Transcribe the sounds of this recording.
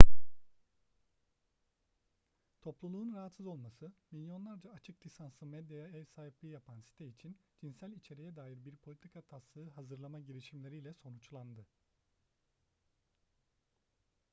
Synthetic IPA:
t̪ʰo̞plˠulˠuːunɾaɦat̪sɯzo̞lˠmasɯmilʲjo̞nlˠaɾd͡ʒaːt͡ʃʰɯklʲisansɯmɛd̪jajaɛɾsaːɦiplʲiːjapʰansi̥t̪ʰɛit͡ʃʰind͡ʒinsælʲit͡ʃʰe̞ɾijɛd̪aːjiɾbiɾpʰolʲit̪ʰikʰat̪ʰaslˠɯːɦazɯɾlˠamaɟiɾiʃimlʲe̞ɾijlʲɛso̞nut͡ʃlˠand̪ɯ

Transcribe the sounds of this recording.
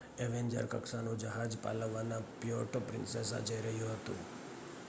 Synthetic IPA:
eʋeɲd͡ʒə̰ɾkəksanũd͡ʒəɦad͡ʒpa̰ləʋːanapioʈopɾɪ̰nses̬a̰d͡ʒəjɾəɦjũɦət̪ṵ̃

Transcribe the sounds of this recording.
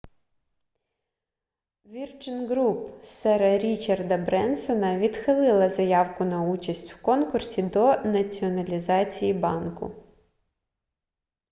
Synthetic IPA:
ʋʲirt͡ʃɪnɡɾupsɛɾɐɾʲit͡ʃɐrd̪ɐbɾɛnsɔnɐʋʲid̪xɪlˠɪlˠɐzɐjɑwkʊnɐut͡ʃɐsʲtʲwkɔnkʊrsʲid̪ɔnɐt͡sʲiɔnɐlʲizɑt͡sʲijibɑnkʊ̰

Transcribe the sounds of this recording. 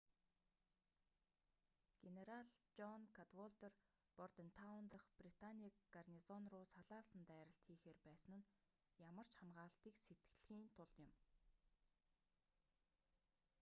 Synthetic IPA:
ɡ̥eneɾaɮt͡ɕɔnkʰat̪wɔɮt̪er | pɔrt̪ĕnt̪ʰawnt̪ə̆χprit̪ʰaniːkɡarnizɔnrʊːsaɮaːsə̆nt̪æːɾə̆ɬt̪ʰxiːxeːrpæːsə̆nɘ̆n | jamə̆r̥t͡ɕχamɢaːɬt̪iːkset̪̚ɡ̥ɮxiːnt̪ʰʊɮɪ̆m

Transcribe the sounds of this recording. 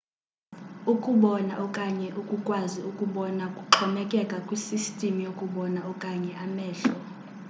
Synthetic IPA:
ukʼuɓɔnaʔɔkʼaɲɛʔukʼukʼwaziukʼuɓɔnakʼuǁʰɔmɛkʼɛkʼakʼwisistʼimijokʼuɓɔnaɔkʼaɲɛʔamɛːɬɔ

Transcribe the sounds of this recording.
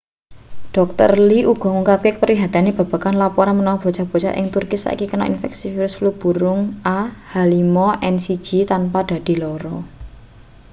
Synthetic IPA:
ɖ̥ɔ̤k̚t̪ə̰rliʔuɡ̥ɔ̤ŋuŋkap̚kekəpərwiɦat̪aneb̥a̤b̥a̤kanlapoɾamənɔwub̥o̤t͡ʃab̥ɔ̤t͡ʃa̰ʔɪ̰ŋt̪urkisa̰ʔḭkikənɔ̰ʔḭnfɛ̰ksifiɾʊsflub̥ṳɾʊŋʔahalimɔʔɛnsid̥d͡ʒ̥i̤t̪anpad̥a̤d̪̥i̤lɔɾɔ

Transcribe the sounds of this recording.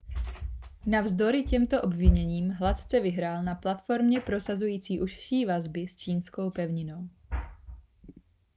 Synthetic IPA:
navzd̪o̞ɾɪcɛmt̪o̞ʔo̞bvɪɲɛɲiːmɦlat̪t͡sɛvɪɦɾaːlnaplat̪fo̞ɾmɲɛpɾo̞sazujiːt͡siːʔuʃʃiːvazbɪst͡ʃiːnsko̞wpɛvɲɪno̞w

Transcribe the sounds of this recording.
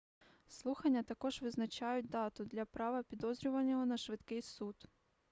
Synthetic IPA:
slˠuxɐnʲːɐt̪ɐkɔʒʋɪznɐt͡ʃajʊt̚ʲd̪ɑt̪ʊd̪lʲɐpɾɑʋɐpʲid̪ɔzɾʲʊʋɐnʲːɔɦɔnɐʃʋɪt̪kɪjsut̪

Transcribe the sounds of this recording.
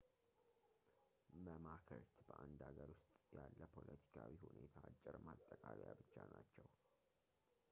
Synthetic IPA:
məmakʰəɾt̪bəʔand̪aɡəɾwʊst̪ʼjalːəpʰo̞lət̪ʰi̥kʰawihune̞t̪ʰaːt͡ʃʼːɪɾmat̪ʼːəkʼaljabɨt͡ʃːanat͡ʃːɛw

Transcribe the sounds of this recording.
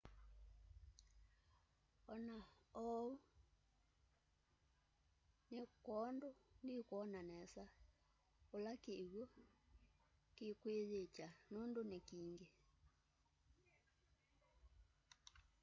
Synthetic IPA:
ɔnaɔu | nekwɔndondikwɔnanɛsa | olakeɣo | kekweðet͡ʃanondonekiŋɡe

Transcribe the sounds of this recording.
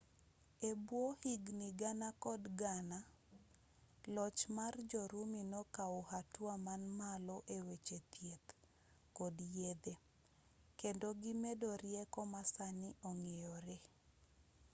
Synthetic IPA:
ebwohiɡniɡanakɔdɡana | lɔt͡ʃmard͡ʒɔɾuminɔkaohatwamanmalɔʔewet͡ʃet̪jet̪ | kɔdjed̪e | kendoɡimedɔɾjɛkɔmasanɪʔɔŋejɔɾe

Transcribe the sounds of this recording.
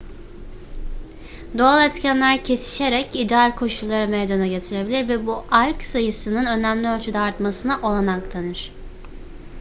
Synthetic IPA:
d̪o̞alˠɛt̪cʰænlʲæɾcʰe̞si̥ʃe̞ɾɛcid̪ɛalʲkʰo̞ʃulˠːaɾɯmejd̪anaɟe̞t̪ʰiɾe̞bilʲiɾvɛbuʔalʲksajɯsɯnɯnø̞næmlʲiølʲt͡ʃʰyd̪ɛːɾt̪masɯnɯʔo̞lˠanaklˠanɯɾ̝̥

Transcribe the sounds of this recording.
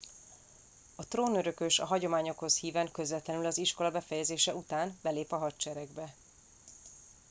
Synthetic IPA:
ɒt̪roːnøɾø̞køʃɒ̰ɦɒɟo̞maːɲo̞kho̞shiːvɛŋkø̞zvɛt̪lɛnylɒziʃko̞lɒbɛfɛjɛzeːʃɛut̪aːnbɛleːpɒɦɒtt͡ʃɛɾɛɡbɛ

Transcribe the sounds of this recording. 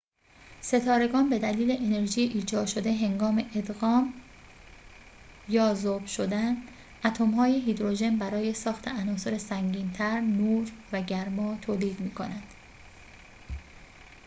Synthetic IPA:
se̞t̪ʰɒːɾe̞ɡɒːnbe̞d̪æliːle̞ʔene̞ɾʒiːjeʔiːd͡ʒɒːd̪ʃo̞d̪e̞ɦe̞ŋɡɒːme̞ʔed̪ɣɒːm | jɒːzob̥ʃod̪æn | ʔæt̪ʰomhɒːjeɦiːd̪ɾo̞ʒe̞nbæɾɒːje̞sɒːxt̪ʰe̞ænɒːso̞ɾesæŋɟiːnt̪ʰæɾnuːɾvæɟæɾmɒːt̪ʰoːliːd̪miːkʰo̞nænd̪̥

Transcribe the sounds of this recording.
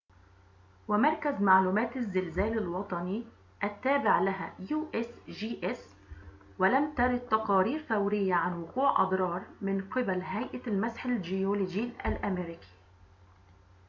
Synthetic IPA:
wɪmɑɾˤkazmaʕluːmæːt̪azːɪlzæːlɪlwɑt̪ˤɑni | ʔat̪ːaːbɪʕlaɦajuːʔɪsʒiːʔɪs | wɪlamt̪ɑɾˤɑd̪̚t̪ɑqɑːɾiːɾθawɾɪjːaʕanwʊquːʕʔɑ̰d̪ˤɾˤɑːɾˤmɪnqɪbalɦajʔalmasħɪlʒɪjoːlod͡ʒiʔalʔameɾɪki̥

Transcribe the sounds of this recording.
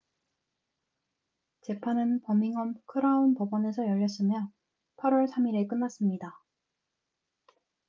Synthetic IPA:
t͡ɕe̞pʰanɯnpʌmiŋʌmkʰɯɾaunpʌbʌne̞sʰʌjʌʎːʌs͈ɯmjʌ | pʰaɾwʌɭsʰamiɾek̬͈ɯnːas͈ɯmɲida

